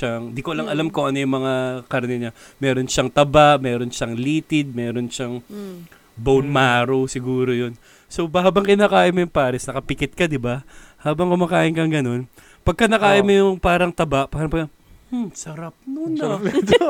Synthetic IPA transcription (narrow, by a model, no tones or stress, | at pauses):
aŋd̪ikoɐlɐŋʔɐlamkoŋɐnojʊŋmɐŋakɐɾnɛɲamɛːɾo̞nʃaŋt̪ɐbaʔmɛːɾo̞nʃaŋliːt̪ɪd̪̚mɛːɾo̞nʃaŋ | bownmaːɾowsɪɡuːɾojon | so̞bɐhaːbɐŋkɪnaːkaːʔɪmojʊŋpaːɾɪsnɐkɐpɪkɛt̪̚kɐd̪ɪbahaːbɐŋkʊmaːkaːʔɪnkɐŋɡɐno̞n | pɐɡ̚kɐnɐkaːʔɪmojʊŋpaːɾɐŋt̪ɐbaʔpaːɾɐŋpɐɡɐ | sɐɾap̚nonɐ